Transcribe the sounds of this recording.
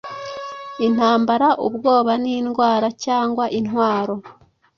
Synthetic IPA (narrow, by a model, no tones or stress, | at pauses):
in̥haːmbaɾaʔṵbɡo̞ːβaniːnɡwaːɾacaːŋɡwaʔinwaːɾo̞